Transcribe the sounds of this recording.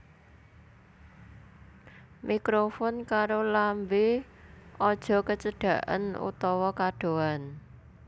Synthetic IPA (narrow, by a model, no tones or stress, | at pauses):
mikɾofɔnkaɾolambe | ɔd̥ʒ̥ɔ̤kət͡ʃəɖ̥a̤ʔə̰nṵt̪ɔwɔkaɖ̥o̤an